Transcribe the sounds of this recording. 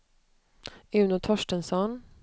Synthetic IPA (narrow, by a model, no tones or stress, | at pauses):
ɪʉnʊt̪ʰɔʃʈənsɔn